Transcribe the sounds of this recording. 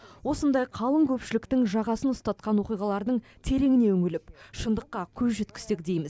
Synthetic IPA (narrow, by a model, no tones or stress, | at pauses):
wo̞sənd̪ɑjqʰɑlˠəŋkʲʰɵpʃɪlɪkt̪ɪŋʒɑʁɑsənʊst̪ɑt̪̚qɑnwo̞qijʁɑlˠɑɾd̪əɴt̪ʰe̞ɾe̞ŋɪne̞ʏŋɪlɪpʃənd̪əqːɑkʲʰɵzʒet̪kʲɪ̥st̪ekd̪ejmɪz